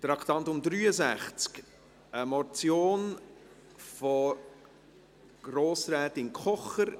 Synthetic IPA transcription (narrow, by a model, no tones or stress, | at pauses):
t̪ɾɑkʰt̪ɑntʊmd̪ɾyːəzæχt͡sk | əmɔt͡sjoːn | fɔ | ɡ̥ɾoːsɾɛːtɪnkχɔχəɾ